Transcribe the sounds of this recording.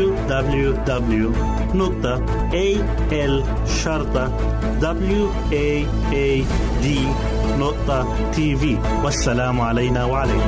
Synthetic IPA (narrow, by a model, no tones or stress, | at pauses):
ud̪abljud̪ablju | nʊqt̪ɑ | ʔe | ʔɛl | ʃɑɾˤt̪ˤɑ | d̪ablju | ʔe | e | d̪iː | nʊʔt̪ˤa | t̪ʰiːviː | wasːalaːmʕalajnaːwaʕalajn